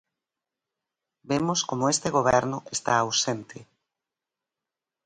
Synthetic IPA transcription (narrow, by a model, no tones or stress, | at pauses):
bemʊskomʊest̪eɣoβɛɾnʊʔest̪aawsent̪ɪ